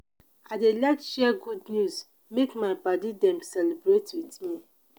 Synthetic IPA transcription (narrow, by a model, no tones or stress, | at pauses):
adelɛkʃɛɡudnjuz | mekmaɪbadidɛ̃msɛlibɹetwitmi